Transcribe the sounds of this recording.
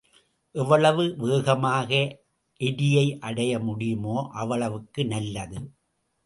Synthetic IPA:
ʔɛʋɐɭɐʋɯʋeːɣɐmaːɣɐ | ʔɪðɪjɐɪʔɐɽɐjɐmʊɽɪjɯmoːʔɐʋɐɭɐʋɯkːɯnɐlːɐðɯ

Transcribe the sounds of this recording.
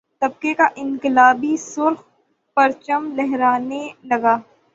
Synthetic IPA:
t̪ɐb̚kekaʔɪ̃ŋkɪlaːbisʊɾx | pɐɾt͡ʃəmlɛɦɾaːnelɐɡaː

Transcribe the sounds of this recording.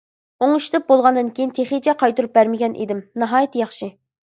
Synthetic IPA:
oŋuʃt̪ɨp̚bolˠʁɑnd̪ɨnkʲejint̪ʰeχit͡ʃʰɛqʰɑjt̪uɾup̚bæɾmɪɡʲɛnʔḭd̪ɪmnɨɦɑːjit̪jɑχʃi

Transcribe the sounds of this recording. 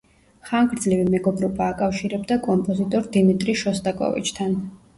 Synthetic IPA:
χaŋɡɾd̪zlivimɛɡɔbɾɔbaːkʼafʃiɾɛbd̪akʼɔmpʼɔzit̪ʼɔɾd̪imit̪ʼɾiʃɔst̪ʼakʼɔ̰vḭt͡ʃʰt̪ʰan

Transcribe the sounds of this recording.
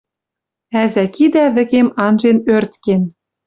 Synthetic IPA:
æzækid̪æβɘ̆kemɑnʒenørt̪ken

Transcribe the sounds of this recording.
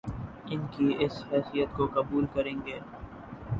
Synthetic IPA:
ɪnkiɪsɦɛːsijət̪kokɐbuːlkɐɾẽːŋɡeː

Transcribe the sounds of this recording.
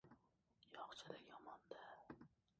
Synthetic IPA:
jɑχt͡ʃʰed̪ɛkʲjɑmɑnd̪ɛ

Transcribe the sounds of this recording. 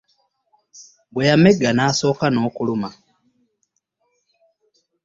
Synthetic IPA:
bwejameɡːanaːso̞ːkano̞ːkuluma

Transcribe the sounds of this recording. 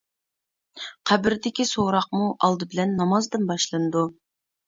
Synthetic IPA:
qʰæbɪɾd̪ɪkʲisoɾɑq̚muʔɑlˠd̪ɨbɪlɛnːɑmɑzd̪ɨnbɑʃlˠɨnɨd̪u

